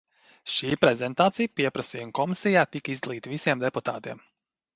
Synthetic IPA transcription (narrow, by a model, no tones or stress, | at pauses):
ʃiːpɾɛzɛnt̪aːt̪sijpiɛpɾɐsiːjumkɔmisijaːt̪ikəizd̪alˠiːt̪visiɛmd̪ɛput̪a̰ːt̪iɛm